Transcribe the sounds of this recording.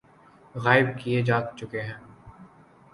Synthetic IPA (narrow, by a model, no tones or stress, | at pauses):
ɣaːɪb̚kied͡ʒaːt̪t͡ʃʊkeɦɛ̃ː